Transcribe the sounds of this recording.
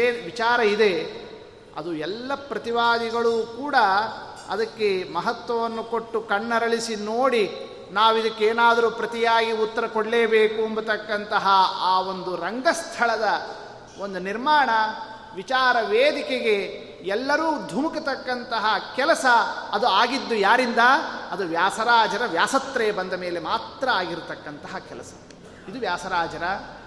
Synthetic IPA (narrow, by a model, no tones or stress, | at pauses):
ʋit͡ʃaːɾɐid̪e̞ | ɐ̰d̪uɛlːɐpɾɐt̪iʋaːd̪iɡɐɭuːkuːɽɐ | ɐ̰d̪ɐkːe̞mɐɦɐt̪ʋɐʋɐnːuko̞ʈːukɐɳːɐɾɐɭisinoːɽi | naːʋid̪ɐkːeeːnaːd̪ɐɾuːpɾɐt̪ijaːɡiut̪ːɐɾɐkoɽleːbeːkuɐmbut̪ɐkːɐnt̪ɐɦɐaːo̞nd̪uɾɐŋɡɐst̪ʰɐɭɐd̪ɐ | o̞nd̪uniɾmaːɳɐ | ʋit͡ʃaːɾɐʋeːd̪ikeɡe̞ | ɛlːɐɾuːd̪ʱumukɐt̪ɐkːɐnt̪ɐɦɐkɛlɐsɐːd̪uaːɡid̪ːujaːɾind̪ɐɐd̪uʋjaːsɐɾaːd͡ʒɐɾɐʋjaːsɐt̪ɾɛjɐbɐnd̪ɐme̞ːle̞maːt̪ɾɐaːɡiɾut̪ɐkːɐnt̪ɐɦɐkɛlɐsɐ̥ | id̪uʋjaːsɐɾaːd͡ʒɐɾɐ